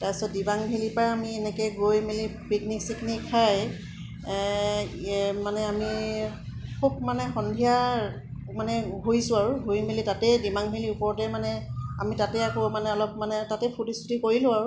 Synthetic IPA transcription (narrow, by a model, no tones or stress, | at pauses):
tajsɔt̚dibaŋbʱilipaɹamiɛnɛkɛɡojmilipikniksiknikʰaj | manɛami | kʰub̚manɛxɔndʱija | manɛɦojsʊ̃aɹuɡojmilitatɛdimaŋbʱiliupɔɹɔtɛmanɛa̰mitatɛakɔmanɛɔlɔp̚manɛtatɛpʰutiskʰutikoɹilʊ̃aɹu